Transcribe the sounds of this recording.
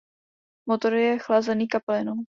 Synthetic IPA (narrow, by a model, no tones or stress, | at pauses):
mot̪oɾjɛxlazɛniːkaplɪnow